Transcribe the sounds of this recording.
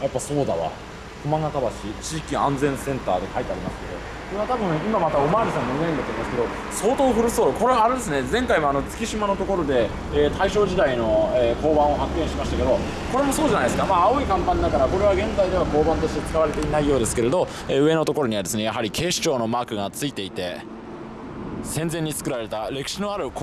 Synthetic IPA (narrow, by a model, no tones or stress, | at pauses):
japːaso̞ːd̪a̰βa̰ | komãŋat̪abaɕit͡ɕiːkʲiãnd͡zẽ̞ɰ̃sẽ̞nt̪aːd̪e̞kait̪eaɾimasɨ̥ked̪o̞ | kkoɾeβat̪abɯ̟̃imamat̪aomaːɾʲisãmmoiɡ̪aĩnd̪at̪ːoimasɨ̥keo | so̞ːt̪oːɸɯ̟ɾɯ̟soːɾoko̞ɾe̞βaːɾe̞d̪e̞sɨne̞d͡zẽ̞ŋkaimo̞ano̞t͡sɨ̥kʲiɕimano̞t̪o̞ko̞ɾo̞d̪e̞ | eːt̪ʰaiɕo̞ːʑid̪aino̞eːko̞ːbãɰ̃o̞ɦakɯɡẽ̞ɰ̃ɕimaɕi̥t̪akeo̞ | ko̞ɾe̞mo̞so̞ːʑanajd̪esɨkamaaoikãmpãɲ̟ːd̪akaɾako̞ɾe̞βaɡẽ̞nzaid̪e̞βako̞ːbãnt̪o̞ɕit̪e̞t͡sɨ̥kaβaɾe̞t̪e̞inaijo̞ːd̪e̞sɨ̥ke̞ɾe̞d̪o̞ | eɯ̟e̞no̞t̪o̞ko̞ɾo̞ɲ̟iβad̪sɨne̞jaɦaɾʲikʰe̞ːɕi̥t͡ɕo̞ːno̞maːkɯ̟ɡat͡sɨit̪e̞it̪e̞ | sẽ̞nd͡zẽ̞ɲ̟ːit͡sɨ̥kɯ̟ɾaɾe̞t̪aɾe̞kɯ̟̥ɕino̞aɾɯ̟k